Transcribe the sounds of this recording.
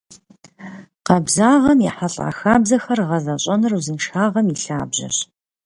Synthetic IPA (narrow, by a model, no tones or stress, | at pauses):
qɐbzaːʁɐmjɛħaɬʼa̰ːxaːbzɐxɐrʁɐzɐɕʼɐnɨruzɨmʃxaːʁɐmiɬaːbʑɐ̰ɕ